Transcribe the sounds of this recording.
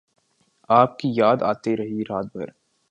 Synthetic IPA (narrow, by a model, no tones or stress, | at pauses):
aːp̚kijaːd̪a̰ːt̪eɾɐɦiɾaːt̪̚bʱəɾ